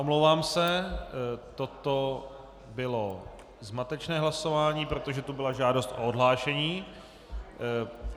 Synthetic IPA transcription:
ʔomlowvaːmsɛ | t̪ot̪o̞ | bɪlo | zmat̪ɛt͡ʃnɛːɦlaso̞vaːɲiːpɾot̪oʒɛt̪ubɪlaʒaːdost̪ʔoodɦlaːʃɛɲiː

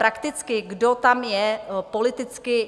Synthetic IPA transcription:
ɾakt̪ɪt͡skɪɡdot̪amjɛpo̞lɪt̪ɪt͡skɪ

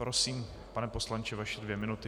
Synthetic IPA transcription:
pɾosiːm | panɛpo̞slant͡ʃɛvaʃɛdvjɛmɪnut̪ɪ

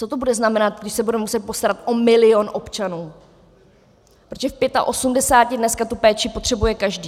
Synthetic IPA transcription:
t͡so̞t̪o̞budɛznamɛnat̪̚ɡdɪʃsɛbudɛmɛmusɛt̪̚po̞st̪aɾat̪ʔomɪlɪonʔo̞pt͡ʃanuː | pɾoʒɛfpjɛt̪a̰ʔo̞sumdɛsaːcɪdnɛskat̪upɛːt͡ʃɪpot̪r̥ɛbujɛkaʒdiː

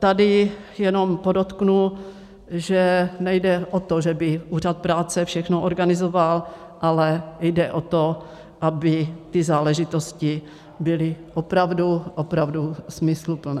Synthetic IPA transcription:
t̪adɪ | jɛno̞mpodot̪knu | ʒɛnɛjdɛʔot̪oʒɛbɪʔuːr̝at̪̚pɾaːt͡sɛfʃɛxnoʔoɾɡanɪzoval | ʔalɛjdɛʔot̪o | ʔabɪt̪ɪzaːlɛʒɪt̪o̞scɪ | bɪlɪʔopɾavduʔopɾavdusmɪslupl̩nɛ

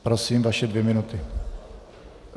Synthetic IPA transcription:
pɾosiːmvaʃɛdvjɛmɪnut̪ɪ

